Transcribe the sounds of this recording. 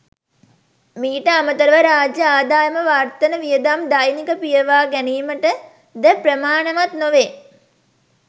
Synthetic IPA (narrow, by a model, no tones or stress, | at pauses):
miːʈəamət̪əɾəʋəɾaːd͡ʒjəaːd̪aːjəməʋaːrt̪ənəʋijəd̪amd̪ajnikəpijəʋaːɡæniːməʈə | d̪əpɾəmaːnəʋat̪noʋeː